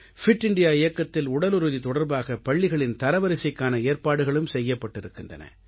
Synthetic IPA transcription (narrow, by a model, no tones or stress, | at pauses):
fɪʈːɪɳɖɪjaːɪjɐkːɐt̪ːɪlʊɽɐlʊɾɯðit̪ɔɽɐɾbaːɣɐpɐɭːɪɣɐɭɪnt̪ɐɾɐʋɐɾɪsɐɪkːaːnɐeːɾpaːɽɯɣɐɭɯmsɛjːɐpːɐʈːɪɾɯkːɯndrɐ̰nɐ̰